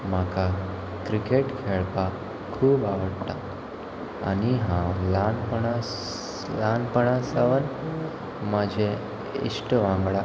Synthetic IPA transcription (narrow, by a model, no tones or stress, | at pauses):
maka | kɾikeʈkʰeɭpa | kʰuːbaʋəɽt̪a | a̰niɦãlanpəɳa | lanpəɳasaʋən | mad͡ʑʱe | ḭsʈəʋãŋɡɭa